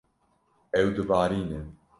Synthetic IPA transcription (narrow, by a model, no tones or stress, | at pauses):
ɛwd̪ɨvaːɾiːne